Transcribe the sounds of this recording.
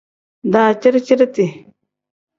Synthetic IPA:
d̪aː˨t͡ʃi˦ɾt͡ʃi˦ɾt̪i˨

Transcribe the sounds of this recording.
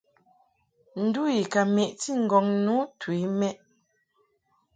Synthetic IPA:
n̩˨du˦i˨ka˨me˨ʔti˦ŋ̩˨ɡɔ˨ŋnu˨˦twi˨˦mɛ˦ʔ

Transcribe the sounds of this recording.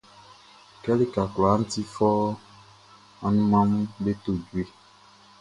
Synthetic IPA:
kɛ˦li˦ka˨kla˨˦n̩˦ti˦fɔ˦ | a˦nũ˦mã˦m˦be˦t̪o˨d͡ʒu˨˦e˦˨

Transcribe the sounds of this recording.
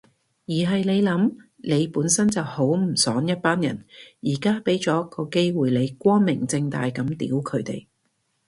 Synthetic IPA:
jiː˨˩ɦɐ˨jle˨˧jlɐ˨˥m | ne˨˧jpuː˨˥nsɐ˥nt͡sɐ˨who˨˥wm̩˨˩sɔː˨˥ŋjɐ˥t̚paː˥njɐ̰˨˩njiː˨˩kaː˥pe˨˥jt͡sɔː˨˥kɔː˧ke˥jwuː˨˩jle˨˧jkʷɔː˥nmɪ˨˩ŋt͡sɪ˧ŋt̪a̰ː˨jkɐ˨˥mt̪ḭː˨˥wkʰɵ˨˧ɥt̪e˨j

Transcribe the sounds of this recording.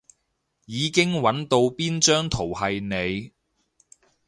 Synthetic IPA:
jiː˨˧kɪ˥ŋwɐ˨˥nt̪o˧wpiː˥nt͡ʃœː˥ŋt̪ʰo˨˩whɐ˨jne˨˧j

